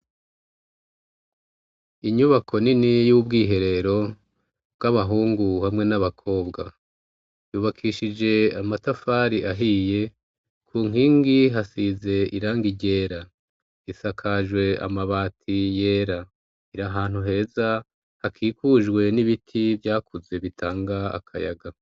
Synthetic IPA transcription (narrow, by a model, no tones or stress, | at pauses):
iɲuβakʰo̞ninijuːbɡiːɦe̞ɾe̞ɾo̞ | bɡaβaɦuːŋɡuhamŋe̞naβakʰo̞ːbɡa̰ | juβakʰiʃid͡ʒe̞amatafaːɾiʔaɦije̞ | kʰuːŋiːŋɡiɦasize̞iɾaːŋɡiɟe̞ːɾa | isakʰaʒwe̞a̰maβaːtʰije̞ːɾa | iɾaɦaːn̥huɦe̞ːza | hakʰiːkuːʒɡwe̞niβitʰivjaːkuze̞βitʰaːŋɡaa̰kʰa̰ja̰ɡa